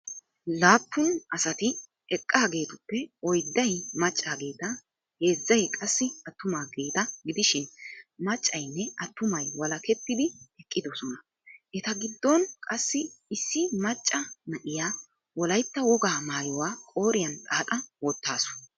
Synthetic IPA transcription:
laːpːʊnɐsɐt̪ɪ | ɛkʼːaːɡe̞ːt̪ʊpːɛɔjd̪ːɐjmɐt͡ʃʼːaːɡe̞ːt̪ɐ | he̞ːzːɐjkʼɐsːɪʔɐt̪ːʊmaːɡe̞ːt̪ɐɡɪd̪ɪʃɪnmɐt͡ʃʼːɐjnːɛʔɐt̪ːʊmɐjwɐlɐkɛt̪ːɪd̪ɪɛkʼːɪd̪ɔsɔnɐ | ʔɛt̪ɐɡɪd̪ːɔnkʼɐsːɪɪsːɪmɐt͡ʃʼːɐmɐʔɪjaː | wɔlɐjt̪ːɐwɔɡaːmaːjɔwaːkʼo̞ːɾɪjɐnt̪ʼaːt̪ʼɐwɔt̪ːaːsɔ̥nɐ

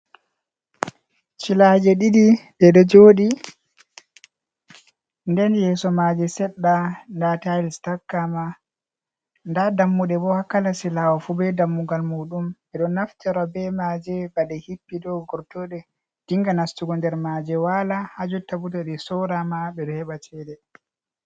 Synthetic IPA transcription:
t͡ʃilad͡ʒɛɗiɗidɛɗɔd͡ʒoːɗi | ndɛnjɛːsɔmad͡ʒɛsɛɗːandatajlstakːama | ndadamːuɗɛbɔhakːalasilawafubɛdamːuɡalmuɗumɓɛɗɔnːaftɛɾɔbɛmad͡ʒɛbaɗɛhipːidɔɡɔɾtɔɗɛ | d̥iŋɡanastuɡɔndɛɾmad͡ʒɛwalahad͡ʒutːabutaɗisɔɾamaɓɛɗɔhɛɓat͡ʃɛɗɛ

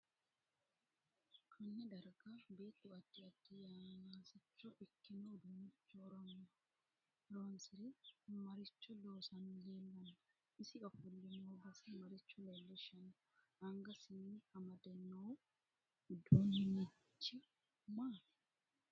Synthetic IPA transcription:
kʰɐnːɐd̪ɐɾɡabeːt̪ːuɐt̪ːɪɐd̪ːijamaːsɪt͡ʃːɔʔɪkːɪnod̪ʊnɪt͡ʃːɔɾɔnɐ | ɾoːnsɪɾɪmɐɾɪt͡ʃːɔloːsɐnleːlːɐnːɐ̥ | ɪsɪkʼɐfʊlːɪmoːbɐsɐmɐɾɪt͡ʃːʊlolːɛʃɐnɐ | ɐŋɡɐsɪniːɐmɐd̪ɐnːoː | d̪unɪnɪ | t͡ʃːɪ | maː

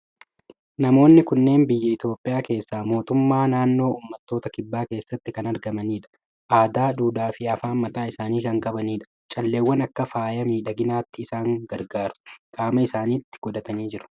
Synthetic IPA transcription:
nɐmo̞ːnːɪkʊnːe̞ːnbɪjːɐɪt̪jo̞ːpʼːɪʔjaːke̞ːsːaːmo̞ːt̪ʊmːaːnaːnːo̞ːʔuːmːɐt̪ːo̞ːt̪ɐkɪbːaːke̞ːsːɐt̪ːɪkɐnɐɾɡɐmɐniːᶑɐ̥ | ʔaːd̪aːᶑuːd̪aːfɪɐfaːnmːɐt̪aːɪsaːniːkɐŋkʼɐbɐniːᶑɐ̥ | t͡ʃʼɐlːeːwːɐnɐkːɐfaːjɐmiːᶑɐɡɪnaːt̪ːɪːsaːŋɡɐɾɡaːɾʊ̥kʼaːmɐɪsaːniːt̪ːɪ̥ɡ̥ɔd̪ɐt̪ɐniːd͡ʒɪɾʊ̥

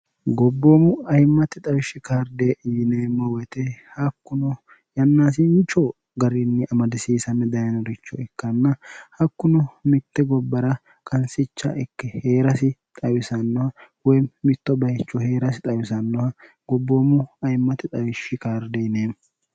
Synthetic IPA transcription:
ɡɔbːoːmʊɐjmːɐt̪ɪt̪ʼɐwɪʃːɪkaːɾd̪ejɪneːmːɔwɛt̪ɛhɐkːʊnɔ | jɐnːaːs̬ɪnt͡ʃo | ɡɐɾɪnːɪʔɐmɐd̪ɪsiːsɐnːɛd̪ɐjɐnɔɾɪt͡ʃːɔɛkːɐnːɐhɐkːʊnɔmɪt̪ːɛɡɔbːɐɾɐ | kʼɐnsɪt͡ʃːɐ̰ʔɛkːɛheːɾɐsɪt̪ʼɐwɪsɐnːɔhɐwɔjmmɪt̪ːɔbɐhɛt͡ʃːɔhe̞ːɾɐsɪt̪ʼɐwɪsɐnːɔhɐ | ɡ̥ɔbːoːmʊɐjmːɐt̪ɪt̪ʼɐwɪʃːɪkaːɾd̪eːjneːm

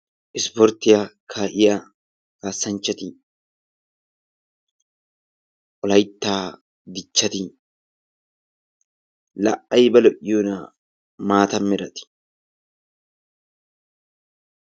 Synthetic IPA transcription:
ʔɪspɔɾt̪ɪjakʰaːʔɪja | kaːsːɐnt͡ʃːɐt̪i | ɔlɐjt̪ːaː | d̪ɪt͡ʃːɐt̪i | lɐʔɐjbɐlɔʔjuːna | maːt̪ɐmːɪɾɐt̪ɪ̥

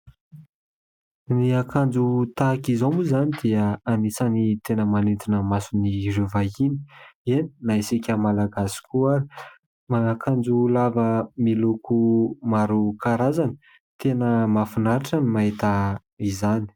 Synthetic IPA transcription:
niakand͡zut̪akizomuzanid̪̥iəanit͡sanit̪enəmanind̪inəmasunirevaini̥eninaisikʲəmalaɡasi̥kuaɾi | maakand͡zulavəmilukumaɾukaɾazani̥ | t̪enəmafinaɾiʈ͡ʂanimaɦit̪a | izani̥

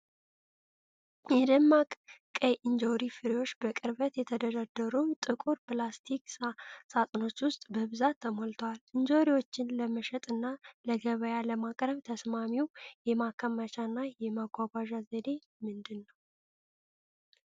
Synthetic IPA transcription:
jɛd̪əmːakʼkʼəjʔɨnd͡ʒowɾifɨɾiwo̞t͡ʃːbəkʼɨɾβət̪jɛt̪ʰəd̪əd̪ad̪ːəɾumt̪ʼɨkʼuɾpɨlast̪ʰiksat̪ʼno̞t͡ʃːwʊst̪ʼbəβɨzat̪ʰːəmolt̪ʰəwalɨɲd͡ʒowɾiwo̞t͡ʃːɪnləməʃɛt̪ʼɨnːaləɡəβəjaləmakʼɾəβt̪ʰəsmamiwjɛmakʰːəmːət͡ʃʰʼanːajɛmaɡʷaɡʷaʒazəd̪e̞ | mɨnd̪ɨnːəw

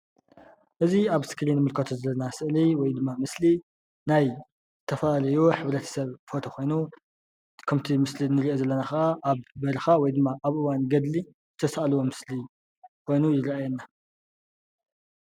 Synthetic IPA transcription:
ʔɨziaβskʰɨlinɨmɨlkʰɐt̪ʰozɐlnasɨʔliwɔjd̪ɨmːamɨsli | naj | zɨt̪ʰɐfɐlalɐjoħɨβɾɐt̪ʰɐ̥sɐβfo̞t̪ʰo̞kʰo̞jnu | kʰɐmt̪ʰimɨslinɨɾiʔozɐlːɐnaxɐʔaʔaβbɐɾɐxawɔjd̪ɨmːaʔaβʔɨwanɡɐd̪li | zɨt̪ʰɐsaʔalwo̞mɨsli | kʰo̞jnujɪɾɐʔajɛnːa

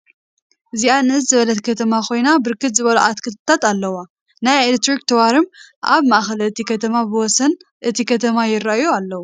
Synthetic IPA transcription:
ʔɨziaɨnɨɨzzɨβɐlɐt̪kʰɐt̪ʰɐmakʰo̞jnabɨɾkɨt̪zɨβɐluʔat̪kʰɨt̪t̪ʰat̪alːɐwa | najelet̪ɾik̚t̪ʰɐwaɾɨm | ʔa̰βmaʔxɐlɨt̪ʰikʰɐt̪ʰɐmabɨwɔsɐn | ʔɨt̪ʰikʰɐt̪ʰɐmajɪɾːaʔjualːɐwu

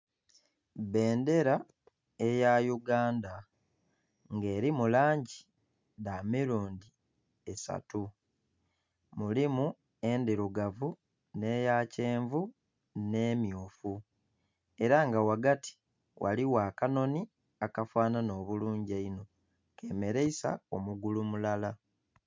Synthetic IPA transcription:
βe̞ːnde̞ɾa | e̞jajuɡaːnda | ŋɡe̞ːɾimulaːɲɟi | damiɾuːndi | esa̰tu | mulimu | endiɾuɡavu | ne̞ːjace̞ːɱvu | ne̞ːmjuːfu | e̞ɾaŋɡawaɡati̥ | wʔa̰liwaːkano̞ni | akafaːnano̞ːβuluːɲɟaino̞ | ke̞ːme̞ɾeisa̰o̞muɡulumulala

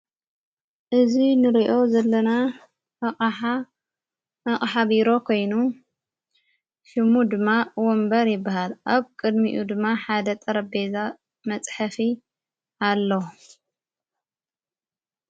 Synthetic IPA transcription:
ʔɨzinɨɾiʔo̞zɐlːɐna | ɐχʼħa | ɐχʼħaβiɾo̞kʰo̞jnu | ʃɨmud̪ɨmːawɔmbɐɾjɪbːahalʔaβkʼɨd̪miʔud̪ɨmːaħad̪ɐt̪ʼɐɾɐbeza | mɐt͡sʼħafi | alːo

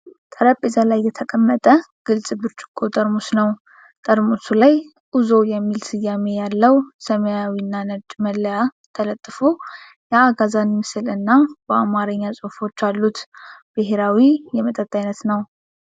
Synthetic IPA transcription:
t̪ʼəɾəpʼːezalajːɛt̪ʰəkʼəmːət̪ʼə | ɡ̥ɨlsʼɨbɨɾt͡ʃʼɪ̥kʼːot̪ʼəɾmusnəw | t̪ʼəɾmusulaj | ʔuzo̞jɛmːilsɨjːame̞jalːəwsəməjawinːanəd̪məlːəja | t̪ʰələt̪ʼːfo | jaːɡazanmɨsɨlɨnːabəamaɾəɲːasʼofo̞t͡ʃːalːut̪b̥ɨɦeɾawijɛmət̪ʼət̪ʼːajnət̪nəw

